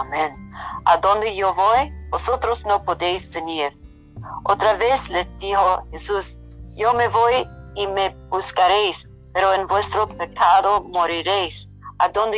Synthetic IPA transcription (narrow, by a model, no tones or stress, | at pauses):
amẽna̰d̪õnd̪ejovojbosot̪ɾosnopod̪ejzveniɾ | ot̪ɾaveslet̪iɦohesus | jomevojimebuskaɾejs | peɾoenvwest̪ɾopekʰaðomoɾiɾejs | ad̪ond̪e